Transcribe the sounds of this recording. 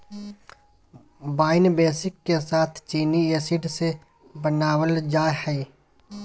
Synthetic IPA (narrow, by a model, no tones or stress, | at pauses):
baːɪnbeːsɪkːesaːt̪ʰt͡ʃiːnieːsɪɖse | bənaːwəld͡ʒaːhɛi